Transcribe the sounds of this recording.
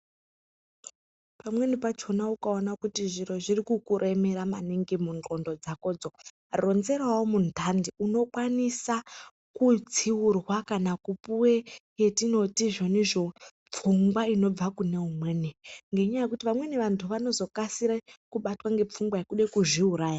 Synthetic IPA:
pamwe̞nipat͡ʃo̞naukaonakutiʐiro̞ʐirikukuɾʔe̞me̞ɾama̰niŋɡimund͡ɮo̞ndo̞d͡zako̞ːd͡zo̞ | ro̞nze̞rawomundʱandiuno̞kwanisa | kut͡siwurwakanakupuwejetino̞tiʐo̞niʐo̞ | p͡fuŋɡwaino̞b͡vakune̞umweːniŋɡe̞ɲajekutiʋamwe̞niʋantʰuʋano̞zo̞kasiɾekuɓatwaŋɡe̞p͡fuŋɡwajekuɗekuʐiuɾaːja

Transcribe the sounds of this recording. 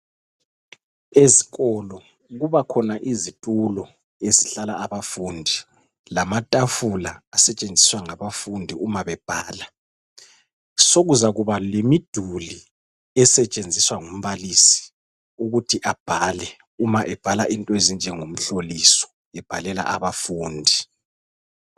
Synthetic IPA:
eziɣɔlɔ | ɣuβakʰɔnaʔizitʼulɔ | eziɬalaaβafuːndʱi | lamatʼafulaasɛt͡ʃʼend͡zʱiswaŋaβafundʱiumaβɛb̥ʱaːla | soɣuzaɣuβalemid̥ʱuli | ɛsɛt͡ʃʼend͡zʱiswaŋom̩βalisi̥ | uɣutʰiʔab̥ʱalɛ | umaʔɛb̥ʱalaʔintʼɔezind͡ʒʱɛŋom̩ɬolisɔ̥ | ɛb̥ʱalɛla̰ʔa̰βafuːndʱi

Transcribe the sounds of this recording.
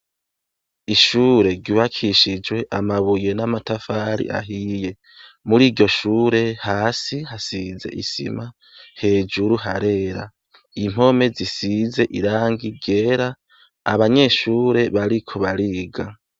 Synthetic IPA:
iʃuːɾe̞ɾɟuβakʰiʃid͡ʒwe̞ʔamaβuje̞namatafaːɾḭʔa̰ɦije̞ | muɾiːɟo̞ʃuːɾe̞haːsihasize̞̰ʔisḭma | he̞ːd͡ʒuɾuɦaɾe̞ːɾa | im̥o̞me̞zisize̞ʔiɾaːŋɡiɡe̞ːɾa | a̰βaɲe̞ʃuːɾe̞βaɾikʰo̞βaɾiːɡa

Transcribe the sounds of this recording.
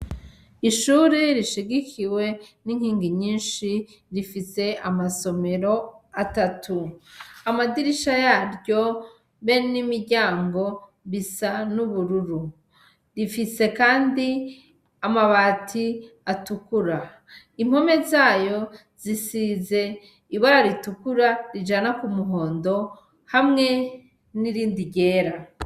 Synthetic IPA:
iʃuːɾiɾiʃiɡikʰiwe̞niŋhiːŋɡiɲiːnʃi | ɾifise̞amaso̞me̞ɾo̞atatʰuamadiɾiʃajaːɾɟo̞ | βenimiɾɟaːŋɡo̞ | βisanuβuɾuɾu | ɾifise̞kaːndi | amaβaːtʰi | atukuɾa | im̥ho̞me̞zaːjo̞ | zisize̞ | iβaɾaɾitukuɾaɾid͡ʒanakumuɦo̞ːndo̞ | hamŋe̞ | niɾiːndiɟe̞ːɾa

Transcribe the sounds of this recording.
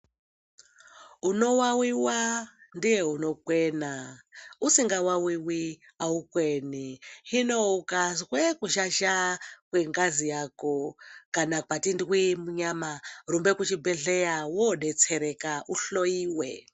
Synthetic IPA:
unowawiwandijeunokwenausiŋɡawawiwi | aukwenihinoukazɣwekuʃaʃakweŋɡazijakokanakatindwimuɲamarumbekut͡ʃibeɮejawoɗet͡sʰeɾekauɬojiːwḛ

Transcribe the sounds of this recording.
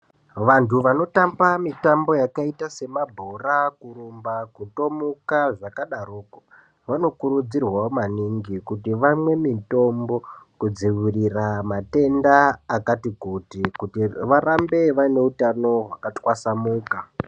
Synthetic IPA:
ʋantʰuʋano̞tambamitambo̞jakaitase̞mabʱo̞rakuɾumbakuto̞mukaʐakaɗaruːko | ʋano̞kuɾud͡zirwamaniŋɡikutiʋamwe̞mito̞mbo̞kud͡ziʋiriramate̞ndaːkatikutikutiʋaɾambe̞ʋaine̞utano̞ɦwakatwasamuːka

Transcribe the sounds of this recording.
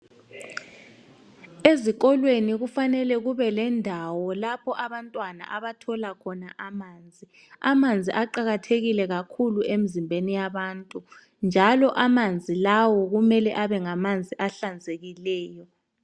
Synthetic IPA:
eziɣ̬ɔlweniɣufanɛlɛɣuβɛlɛndʱawɔlapʰɔʔaβantʼwana̰ʔaβatʰɔlakʰɔnaʔamaːnd͡zʱi | amand͡zʱiʔaǃaɣatʰeɣilɛɣakʰuluem̩zimbʱenijaβaːntʼu | nd͡ʒʱalɔʔamand͡zʱilawɔɣumɛlɛʔaβɛŋamand͡zʱiʔaɬand͡zʱeɣilɛːjɔ

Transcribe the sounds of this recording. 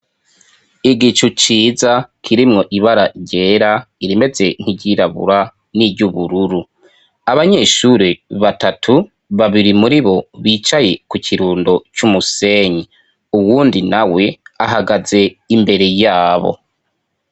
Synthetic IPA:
iɡit͡ʃut͡ʃiːzakʰiɾimŋo̞ʔiβaɾaɟe̞ːɾaiɾime̞ze̞n̥iɟiɾaβṵɾa | niɟuβuɾuɾu | aβaɲe̞ːʃuɾeβatatʰu | βaβiɾimuɾiβo̞βiːt͡ʃaje̞kucʰiɾuːndo̞t͡ʃumuse̞ːɲi | uwuːndinawe̞a̰ɦaɡaze̞imbe̞ɾe̞jaːβo̰

